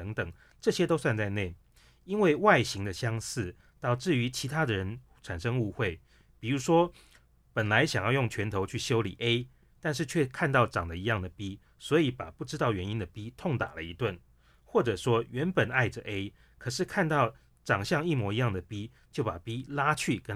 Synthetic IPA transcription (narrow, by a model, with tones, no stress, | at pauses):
ə˧˦ŋt̪ə˨˩ŋ | ʈ͡ʂɤ˥˩ɕjɛ˥t̪o˥ʊswa˥˧nt͡sa˥˧ɪne˥˩ɪ | i˥nwe˥˧ɪwa˥˩ɪɕi˧˥ŋd̪ə˨ɕjɑ˥ŋsɹ̩˥˩ | t̪ɑ˥˧ʊʈ͡ʂɻ̩˥˩y˧˦t͡ɕʰi˧˥t̪ʰa˥d̪ə˨ɻə˧˦n | ʈ͡ʂʰa˨˩nʂɤ˥ŋu˥˧xwe˥˩ɪ | pi˨˩ɻu˧˥ʂwɔ˥ | pə˨˩nla˧˦ɪɕjɑ˨˩ŋjɑ˥˧ʊjʊ˥˩ŋt͡ɕʰɥɛ˧˥nt̪ʰo˧˥ʊt͡ɕʰy˥˩ɕjo˥ʊlḭ˨˩ʔe˥ɪ | t̪a˥˧nʂ̬ɻ̩˥˧t͡ɕʰɥɛ˥˧kʰa˥˧nt̪ɑ˥˩ʊʈ͡ʂɑ˨˩ŋd̪ə˦i˧˥jɑ˥˩ŋd̪ə˩pi˦˥ | swɔ˧˥i˧˥pa̰˨˩pu˥˩ʈ͡ʂɻ̩˥t̪ɑ˥˩ʊɥɛ˧˥ni˦nd̪ə˨pi˦˥t̪ʰʊ˥˩ŋt̪a̰˨˩lə̰˦i˧˥t̪wə˥˨n | xwɔ˥˩ʈ͡ʂɤ˨˩ʂwɔ˥ɥɛ˨˧˥npə˨˩na˥˩ɪʈ͡ʂə˩ʔe˥ɪ | kʰɤ˨˩ʂɻ̩˥˩kʰa˥˧nt̪ɑ˥˩ʊ | ʈ͡ʂɑ˨˩ŋɕjɑ˥˧ŋi˥˩mwɔ˧˥i˧˦jɑ˥˩ŋd̪ə˩pi˥ | t͡ɕjo˥˩ʊpa˨˩pi˥la˥t͡ɕʰy˥˩kə˥n